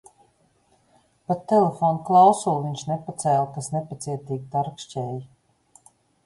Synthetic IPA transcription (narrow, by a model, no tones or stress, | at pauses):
patt̪ːelefoːnklˠawsuːviɲʃnepat̪sɛːlˠkasnepat̪siɛt̪iːɡʲd̪aɾkʃt͡ʃɛːji